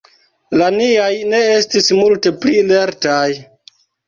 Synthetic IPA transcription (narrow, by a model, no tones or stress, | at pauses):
laniajne̞e̞stismulte̞plile̞ɾtaj